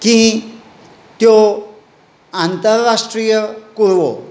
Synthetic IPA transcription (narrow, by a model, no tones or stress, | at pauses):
kĩ | t̪jo | ant̪əɾːaʂʈɾijəkuɾʋo̰